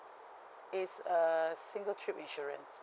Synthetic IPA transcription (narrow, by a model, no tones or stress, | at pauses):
itsəsĩŋɡəltʰɹipĩnʃɔɹə̰̃ns